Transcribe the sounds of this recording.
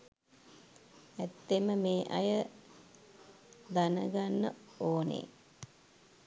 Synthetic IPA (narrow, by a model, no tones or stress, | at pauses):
æt̪ːeməmeːʔɐjə | d̪anəɡanːə̰oːnḛ